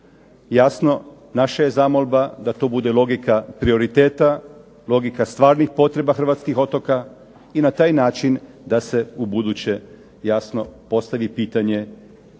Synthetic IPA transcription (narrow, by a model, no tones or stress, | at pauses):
jasno̞ | naʃaje̞zamolbad̪at̪o̞ːbud̪e̞lˠo̞ɡikapɾio̞ɾit̪eːt̪a | lo̞ɡikast̪ʋaːɾnixpo̞t̪ɾe̞baxr̩ʋat̪skixo̞t̪o̞ka | inat̪aːjnaːt͡ʃin | d̪ase̞ubud̪ut͡ɕe̞ | jasnopo̞st̪aʋipiːt̪aɲe̞